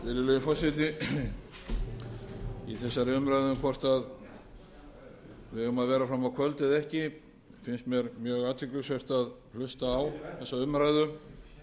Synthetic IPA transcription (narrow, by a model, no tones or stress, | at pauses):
vɪlɪleðɪfɔsɪt̪̬ɪ | iθɛsːaɾɪʏmɾajðʏmkʰvɔr̥t̪að | vɪhɛvʏmaðvɛːɾafɾamawkʰvœlt̪ɪðɛhcɪ | fɪnst̪mjɛɾmjœːɣaːt̪ʰɪklʏsvɛr̥t̪að | l̥ʏst̪aːwθɛsːaʏmɾajðʏ